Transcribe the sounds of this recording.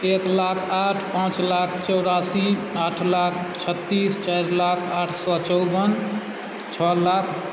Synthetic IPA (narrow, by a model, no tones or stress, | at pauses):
eklakʰaʈʰpãt͡ʃlakʰt͡ʃɔwɾasiaʈʰlakʰt͡ʃʰət̪ːist͡ʃajɾlakʰaʈʰsɔt͡ʃɔwbən | t͡ʃʰɔlakʰ